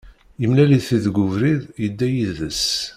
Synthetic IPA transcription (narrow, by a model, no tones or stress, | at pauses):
jəmlæliθiðɡʷʊvɾiðjəd̪ːæjiððəs